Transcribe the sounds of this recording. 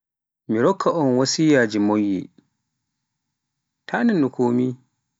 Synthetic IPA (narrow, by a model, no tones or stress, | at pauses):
miɾɔkʰːaʔɔnwasiːjad͡ʒimojːḭ | tʰaːnɛnːukoːmi